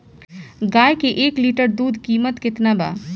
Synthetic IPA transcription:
ɡaːjkeʔeːkliːʈəɾd̪uːd̪ʱkiːmət̪kɪt̪naba̰

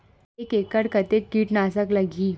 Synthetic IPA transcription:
ekekəɽkət̪ekːiːʈnasəkləɡiː

